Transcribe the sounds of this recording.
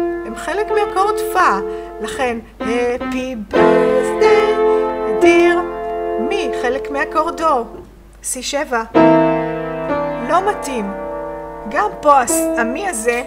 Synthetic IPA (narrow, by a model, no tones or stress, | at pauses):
hemχelekmeakoʁdfa | laχe̞n | hepibizd̪ead̪iʁmiχe̞lekmeakoʁdo̞ | siʃeva | lo̞matim | ɡampoasamiaze̞